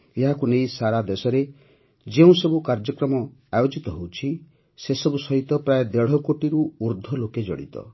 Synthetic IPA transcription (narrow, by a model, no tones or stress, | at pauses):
eɦakunejsaɾad̪esɔɾe | d͡ʒeũsebukaɾd͡ʒɔkɾɔmɔajod͡ʒit̪ɔɦewt͡ʃʰi | sesɔbusɔɦit̪ɔpɾajed̪eɽ̤ɔkoʈiɾuːɾd̪ʱɔloked͡ʒɔ̰ɽḭt̪ɔ̰